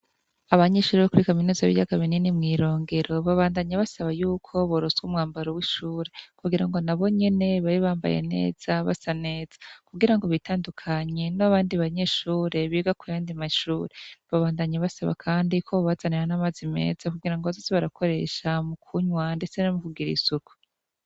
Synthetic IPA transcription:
aβaɲe̞ːʃuːɾeβakuɾikaminuːzaβḭjaɡaβininimŋiːɾo̞ːŋɡe̞ɾo̞βaβaːndaɲaβasaβajuːkʰo̞βoɾozɡumŋaːmbaɾowiʃuːɾe̞kuɡiɾaŋɡo̞naβo̞ɲe̞ne̞βaɾiβaːmba̰jḛne̞̰ːz̥aβa̰sane̞ːz̥ḁkuɡiɾaŋɡo̞βitaːndukʰaɲe̞naβaːndiβaɲe̞ʃuːɾe̞βiːɡakujaːndimaʃuːɾe̞βaβaːndaɲaβasaβa̰kʰaːndikʰo̞βazaneɾanamazime̞̰ːz̥akuɡiɾaŋɡoβazozeβaɾakʰo̞ɾe̞̰ʃamukʰuɲwande̞t͡se̞namukuɡiɾḭsuku̥

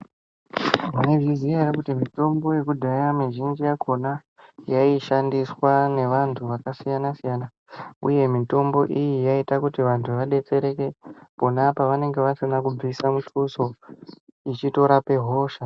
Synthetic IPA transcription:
ɦaneʐiziaɾakutimito̞mbo̞je̞kudʱanamiʒind͡ʒijakʰo̞na | jaiʃandiswane̞ʋantʰuʋakasijanasijana | ṵje̞mito̞mbo̞ʔijijaitakutiʋantʰuʋaɗe̞t͡se̞ɾe̞ke̞po̞napaʋane̞ŋɡe̞ʋasinakub͡visamutʰuso̞ | it͡ʃito̞ɾape̞ɦo̞ːʃa

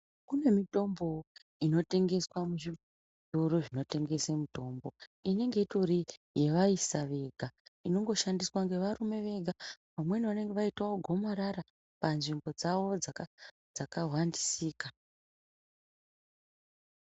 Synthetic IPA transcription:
kune̞mito̞mbo̞ | ino̞te̞ŋɡe̞swamuʐi | duɾoʐino̞te̞ŋɡe̞semuto̞ːmbo̞ine̞ŋɡe̞itorije̞ʋaisaʋe̞ɡʱaino̞ŋɡo̞ʃandiswaŋɡe̞ʋaɾume̞ʋe̞ɡʱapamwe̞niane̞ŋɡeʋaitwaoɡʱo̞maɾaɾa | panʐimbo̞d͡zaʋo̞d͡zaka | d͡zakaɦwandisiːka

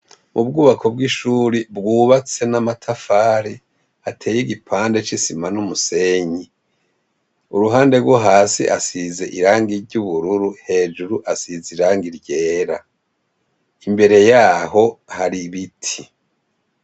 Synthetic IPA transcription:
mʔub̚ɡuːβakʰo̞b̚ɡiʃuːɾibɡuːβat͡se̞namatʰafaːɾi | atʰe̞ːjiɡipʰaːnde̞t͡ʃisimanumuse̞ɲi | uɾuɦaːnde̞ɾɡwoɦaːsḭʔasize̞ʔiɾaːŋɡiɾɟuβuɾuɾuhe̞ːd͡ʒuɾuʔasiziɾaːŋɡiɾɟe̞ːɾa | imbe̞ɾe̞jaːho̞haɾiβitʰi

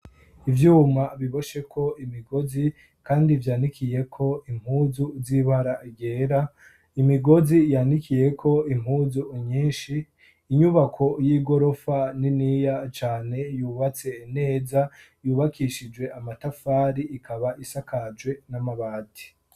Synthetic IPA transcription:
ivjuːmaβiβo̞ʃe̞kʰo̞imiɡo̞zi | kaːndivjaːndikʰije̞kʰo̞im̥huːzuziβaɾaʔiɡeːɾa | imiɡo̞zijaːndikije̞kʰo̞im̥huzuɲiːnʃiː | ɲuβakʰo̞jiːɡo̞ɾo̞faninijat͡ʃaːne̞juːβat͡se̞ine̞ːza | juːβakiʃid͡ʒwe̞amatafaːɾiʔikʰaβaʔisakad͡ʒwe̞namaβaːti̥

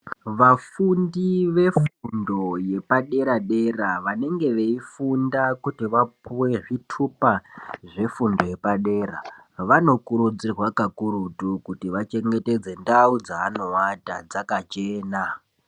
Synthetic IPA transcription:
ʋafundiʋe̞fundo̞je̞paɗe̞ɾaɗe̞raʋane̞ŋɡe̞ʋeifundakutiʋapuwe̞ʐitʰupaʐe̞fundo̞je̞paɗe̞ːra̰ʋano̞kuɾud͡zirwakakuɾutukutiʋat͡ʃe̞ŋɡe̞te̞d͡ze̞ndaud͡zaːno̞watad͡zakat͡ʃe̞ːna

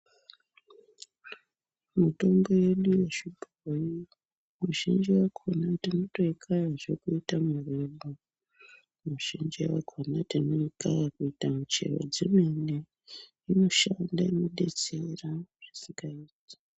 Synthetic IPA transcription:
muto̞mbo̞je̞ɗuje̞ʃibʱ | oji | muʒind͡ʒiwakʰonatino̞to̞ikʰaraʐe̞kuitamureɓo | muʒ̥ind͡ʒiwa̰kʰonatino̞ikajakuitamut͡ʃe̞̰ro̰d͡zimene | ino̞ʃandainoɗet͡seraʐ̥isiŋɡaiːtḁ

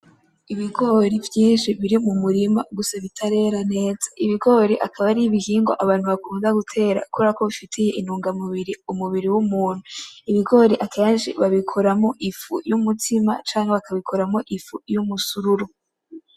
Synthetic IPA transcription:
iβiɡo̞ːɾivjiːnʃiβiɾimumuɾima̰ɡusaβitʰaɾe̞ɾane̞ːz̥ḁʔiβiɡo̞ɾeʔakʰaβaɾiβihiːŋɡo̰ʔaβaːn̥huβakuːndaɡutʰe̞ːɾa̰kueɾako̞βifitʰeje̞ʔinuːŋɡamuβiɾiumuβiɾiwumuːn̥uiβiɡo̞ɾeʔakʰaanʃḭβaβikʰoɾamo̞ʔifṵjumutʰima̰t͡ʃaːŋheβakʰaβikʰo̞ɾamoʔifujumusuɾuɾu

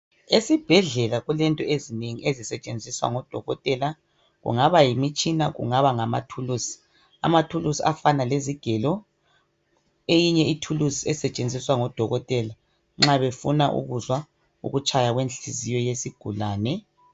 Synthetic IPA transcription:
esib̥ʱɛɮɛlaɣulɛntʼɔezineŋiʔezisɛt͡ʃʼend͡zʱiswa̰ŋɔd̥ʱɔɣɔtʼɛla | ɣṵŋaβajimit͡ʃʼinaɣṵŋaβaŋama̰tʰulusi̥ | a̰matʰulusiafanaleziɡ̥ʱɛlɔ | ejiɲɛitʰulusiɛsɛt͡ʃʼend͡zʱiswaŋɔd̥ʱɔɣɔtʼɛla | ŋ͡ǁaβefunaʔṵɣuzwa | ṵɣut͡ʃʼajaɣwenɬizijɔjesiɡ̥ʱulaːnɛ

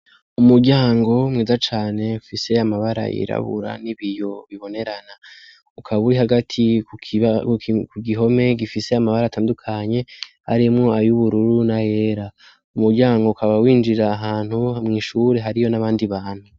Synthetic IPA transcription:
umuɾɟaːŋɡo̞mŋiːzat͡ʃaːne̞ufise̞amaβaɾa̰ʔḭɾa̰βṵɾa̰niβijo̞βiβo̞ne̞ɾana | ukʰaβuɾiɦaɡatʰi | kuɡiɦo̞me̞ɡifise̞amaβaɾaːtʰaːndukʰaɲe̞ha̰ɾimŋo̞ajuβuɾuɾunaje̞ɾa | umuɾɟaːŋɡo̞ukʰaβawiːnd͡ʒiɾaːɦaːn̥humŋiːʃuɾe̞ɦaɾijo̞naβaːndiβaːn̥hu

